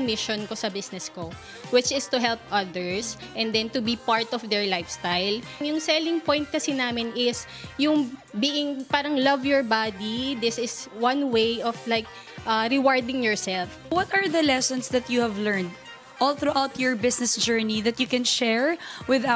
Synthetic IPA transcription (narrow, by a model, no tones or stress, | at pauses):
ŋmɪʃɔnkosɐbɪsnɛsko | wɪt͡ʃɪst̪ʊɦɛlp̚ʔɐðɛɹsʔɛ̃nd̪ɛ̃nt̪ʊbipaɹt̪ɔfd̪ɛɹlajfst̪ajlŋjʊŋsɛlɪ̃ŋpɔ̃jnt̪̚kɐsinaːmɪnɪs | jʊŋbiʔɪŋpaːɾɐŋlɐvjɔɹbad̪id̪ɪsɪswɐ̃nwejʔɔflajk̚ | ʔɐɾɪwaɹd̪ɪ̃ŋjɔɹsɛlf | wɔt̪ɐɹðɐlɛsɔ̃nsðɐt̪juhævlɛɹnd̪ | ʔɔlθɾuʔawt̪ʰjɔɹbɪsnɛsd͡ʒɛɹniðɐt̪jukɛ̃nʃɛɹwɪða